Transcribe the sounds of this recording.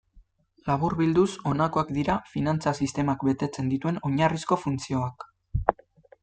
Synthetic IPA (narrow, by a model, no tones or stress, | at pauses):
laβ̞uɾβild̪uso̞nako̞akd̪iɾafinant͡sasist̪e̞makbe̞t̪e̞t͡se̞nd̪it̪ue̞no̞ɲarisko̞funt͡sio̞ak